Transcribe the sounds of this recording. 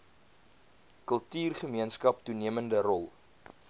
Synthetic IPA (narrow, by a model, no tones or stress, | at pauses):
kəlˠtyːrχəmiənskɐp̚tuniəməndərɔlˠ